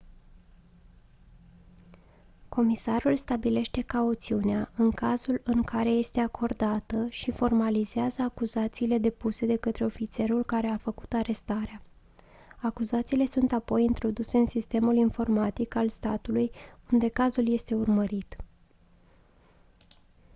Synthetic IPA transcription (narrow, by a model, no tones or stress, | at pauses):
ko̞misaɾulst̪abile̞ʃt̪e̞kaut̪siuneaɨŋkazulɨŋkaɾe̞je̞st̪e̞akʰo̞rd̪at̪əʃifo̞rmalizeazəakuzat̪siːle̞d̪e̞puse̞d̪e̞kət̪ɾe̞o̞fit̪se̞ɾulkaɾe̞afəku̥t̪aɾe̞st̪aɾea | akuzat̪siːle̞sunt̪apo̞jint̪ɾo̞d̪use̞ɨnsist̪e̞mulinfo̞rmat̪ikalst̪at̪ulujund̪e̞kazulje̞st̪e̞urməɾit̪